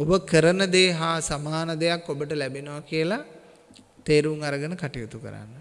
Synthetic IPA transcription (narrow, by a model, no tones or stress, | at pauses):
obəkəɾənəd̪eːɦaːsamaːnəd̪ejakːobəʈəlæbinoʋakiəla | t̪eːɾuŋaɾəɡənəkaʈijut̪ukə̰ɾa̰nːə